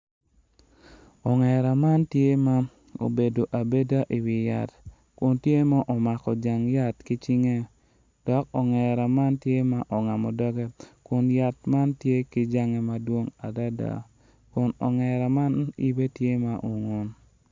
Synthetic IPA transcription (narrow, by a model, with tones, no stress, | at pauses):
ɔ˨ŋɛ˨ɾa˨ma˦ntje˦ma˦ | o̰˨be˨do˨ʔa˨be˦da˦ʔi˨wɪ˨ja̰˨t | kʊ˨ntje˦ma˦ʔɔ˨ma˨kɔ˨d͡ʒa˨ŋja˦tki˦t͡ʃi˦ŋe˦ | d̥ɔ˨˦kɔ˨ŋɛ˨ɾa˨ma˦ntje˦ma˦ʔɔ˨ŋa˨mɔ˨dɔ˦ɡɛ˦kʊ˨nja˨tma˦ntje˦ki˦d͡ʒa˦ŋe˨ma˦dwo˦ŋa˨da˦da̰˨ | kʊ˨nɔ˨ŋɛ˨ɾa˨ma˦nḭ˦be˦tje˦ma˨ʔo˨ŋo˨n